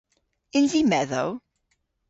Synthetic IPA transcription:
ɪ̃nzimɛðoʊ

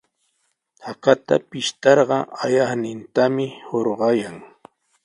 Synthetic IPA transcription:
t̪aqɑt̪a̰pɪʃt̪ɑɾɢɑajɑχnɪnt̪amɪhoɾɢɑjaŋ

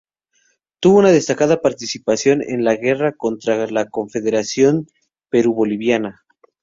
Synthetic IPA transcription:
t̪uβo̞unaðe̞st̪akaðapaɾt̪isipasjo̞nḛnlaɣe̞rako̞nt̪ɾalako̞ɱfe̞ðe̞ɾasjo̞n | pe̞ɾuβo̞liβjana

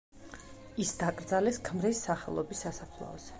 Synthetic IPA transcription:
isd̪akʼɾd̪zalɛskʰmɾisːaχɛ̰lˠɔbisːasapʰlˠɔ̰ɔz̥ɛ

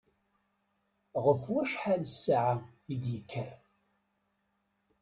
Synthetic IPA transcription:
ʁəfwæʃħalsʕaid̪jəkʰːæ

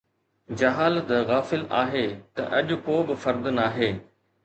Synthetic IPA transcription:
d͡ʑɐɦaːlt̪ɣaːfɪlaːɦeːt̪ɐ̰ʔɐʄʊ̆koːbɪfɐɾd̪naːɦeː

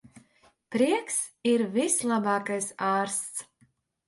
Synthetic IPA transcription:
pɾiɛksiɾvislˠabaːkajsaːɾst̪s

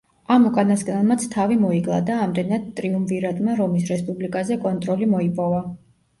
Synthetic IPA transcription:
amukʼanasɡʼnalmat̪sʰt̪ʰavimɔiɡlˠa̰d̪aːmd̪ɛnad̪t̪ʼɾiumviɾad̪maɾɔmisɾɛspʼublikʼazɛkʼɔnt̪ʼɾɔlimɔipʼɔva

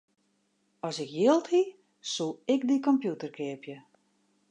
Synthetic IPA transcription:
ɔsɪkjɪəlˠthi | sulˠɪkdikɔmpjutərkɪəpjə

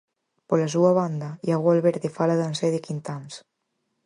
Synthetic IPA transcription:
polasuaβ̞and̪ajaɣalβeɾðefalaðanseðekint̪ans

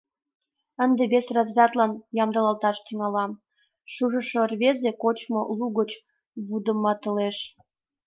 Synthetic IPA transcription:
ənd̪ebesrɑzrʲɑt̪lɑnjɑmd̪əlɑlt̪ɑʃt̪yŋɑlɑm | ʃuʒə̆ʃorβezekot͡ɕmoluɣət͡ɕ | βud̪ə̆mːɑt̪əleʃ

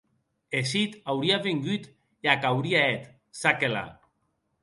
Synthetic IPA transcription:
eʃit̪awɾiaβeŋɡyt̪ | eakawɾiaet̪ | sakela̰

